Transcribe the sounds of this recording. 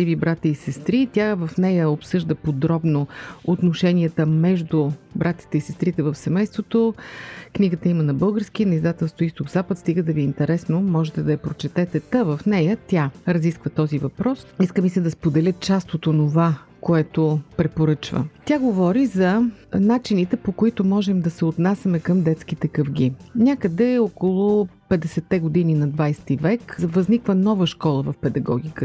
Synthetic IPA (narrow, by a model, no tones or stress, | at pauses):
ivibɾat̪ʲiːsɛst̪ɾit̪ʲjavɐfnɛjəopsɤʒd̪əpod̪ɾɔbnoot̪noʃɛnʲiət̪əmɛʒd̪ʊbɾʔat̪i̥t̪ɛisɛst̪ɾit̪ɛvəfsɛmɛjst̪vot̪okniɡət̪əimənɐbɤlˠɡəɾsk̟inɐizd̪at̪ɛlˠst̪voist̪oɡzapət̪st̪iɡəd̪ɐviɛint̪ɛɾɛsnomɔʒɛt̪ɛd̪ɐɐpɾot͡ʃɛt̪ɛt̪ɛt̪ɐvɐfnɛjət̪ʲjaɾɐziskvət̪ɔzivɐpɾɔsiskəmisɛd̪ɐspod̪ɛlʲət̪̚t͡ʃast̪ot̪onova | koɛt̪opɾɛpoɾɤt͡ʃvə̰t̪ʲjaɡovɔɾizɐnat͡ʃinit̪ɛpokoit̪ʊmɔʒɛmd̪ɐsɛot̪nasʲɐmɛkəmd̪ɛt̪sk̟it̪ɛkəfɡ̟inʲakəd̪ɛokolˠʊpɛd̪ɛsɛt̪ːɛɡod̪ininɐd̪vajst̪ivɛkvɐznikvənɔvəʃkɔlˠəvɐfpɛd̪ɐɡɔ̰ɡ̟ikə